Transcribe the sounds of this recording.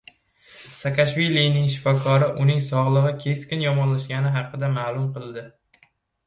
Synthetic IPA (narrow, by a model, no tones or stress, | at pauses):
sakʰaʃvilijnɪŋʃ̬ɪ̥fɒkʰɒɾɪʔʊnɪŋsɒʁlˠɨʁɨkʲʰe̞skʲɪnjɒmɒnlaʃɡʲanɪɦɑqːɨd̪amaːlˠʊmqɨlˠd̪ɪ